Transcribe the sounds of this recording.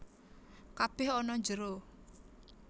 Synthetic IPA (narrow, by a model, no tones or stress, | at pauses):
kab̥ɛhɔnɔɲd͡ʒəɾo